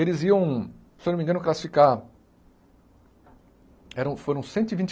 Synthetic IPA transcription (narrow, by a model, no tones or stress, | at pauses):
elɪziɐ̃w̃ | sewnomĩŋɡɐ̃nʊklasi̥fika | ɛɾɐ̃w̃foɾɐ̃w̃sẽnt̪ʊivĩnt͡ʃ